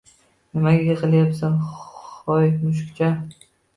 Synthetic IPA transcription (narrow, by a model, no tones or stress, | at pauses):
nɪmaɡʲaeqʰɨlˠjapsanχɒjmʊʃ̬kʲt͡ʃʰa